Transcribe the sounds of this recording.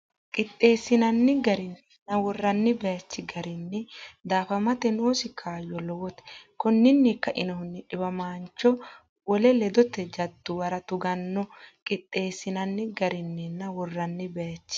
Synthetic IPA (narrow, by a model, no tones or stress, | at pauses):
kʼɪt̪ʼːe̞ːsɪnɐnːɪɡɐɾɪnː | nɐwɔrːɐnːɪbɛjɐt͡ʃːɪɡɐɾɪnːɛd̪aːfɐmɐt̪ɛnoːsɪkʰaːjːɔlɔwɔt̪ɛ̥kɔnːɪnːikːɐʔɪnɔhʊnːɪᶑɪbɐmaːnt͡ʃːɔ | wɔlɛlɛd̪ɔt̪ːɛd͡ʒɐd̪ːʊwɐɾɐt̪ʊɡɐnːɔkʼɪt̪ʼːe̞ːsɪnɐnːɪɡɐɾɪnːɛnːɐwɔrːɐnːɪbɛjɐt͡ʃːɪ̥